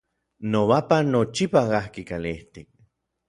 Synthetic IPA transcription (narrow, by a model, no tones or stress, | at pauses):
noβapanot͡ʃipaɡahkikaliht̪ik̚